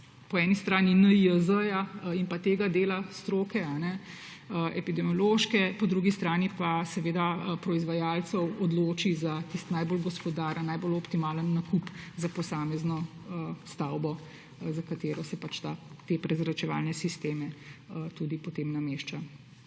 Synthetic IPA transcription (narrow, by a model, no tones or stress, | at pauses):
pɔɛnist̪ɾaːninəiəzəjaimpat̪eːɡad̪eːlast̪ɾoːkɛanɛ | əɛ̰pid̪ɛmjɔloːʃkɛpɔd̪ɾuɡist̪ɾaːnipasɛʋeːd̪apɾɔizʋajaːlt̪sɔwɔd̪loːt͡ʃizat̪ist̪najbolɡɔspɔd̪aɾənːajbolɔpt̪imaːlənːakupzapɔsaːmɛznɔ | əst̪awbɔ | zakat̪eːɾɔsɛpat͡ʃt̪at̪epɾɛzɾat͡ʃɛʋa̰ːlnɛsist̪eːmɛət̪uːd̪ipɔt̪eːmnameːʃt͡ʃa